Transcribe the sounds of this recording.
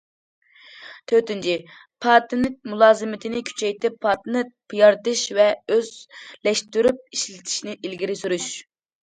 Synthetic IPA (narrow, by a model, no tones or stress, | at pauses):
t̪ʰøɾt̪ɪnt͡ʃʰi | pʰɑːt̪ɨnɪt̚mulˠɑːzɨmɪt̪ʰɪnɪkʲʰy̥t͡ʃʰɛjt̪ʰɪpʰːɑt̪ɨnɨpʰɨjɑɾt̪ɨʃvɛøzlɛʃt̪yɾyp̚iʃlɪt̪ʰɪ̥ʃinɪʔilɡʲiɾɪsuɾyʃ